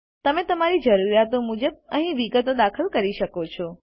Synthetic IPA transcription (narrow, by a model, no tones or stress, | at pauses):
t̪əmẽt̪əmaɾid͡ʒəɾuɾjat̪omud͡ʒəb̚əɦĩʋiɡət̪od̪akʰəlkəɾiʃəkot͡ʃʰɔ